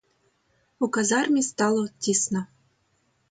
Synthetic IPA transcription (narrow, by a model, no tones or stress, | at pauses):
ukazɑrmʲist̪ɑlˠot̪ʲːisnə̆